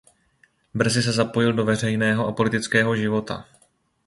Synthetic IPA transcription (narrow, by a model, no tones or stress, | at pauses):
br̩zɪs̬ɛzapo̞jɪldo̞vɛr̝ɛjnɛːɦo̞ʔapo̞lɪt̪ɪt͡skɛːɦo̞ʒɪvo̞t̪a̰